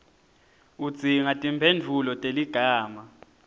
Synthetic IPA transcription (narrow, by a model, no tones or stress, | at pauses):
ud̥z̥ʱiŋatʼimpʰend͡vʱulɔtʼeliɡ̥ʱaːma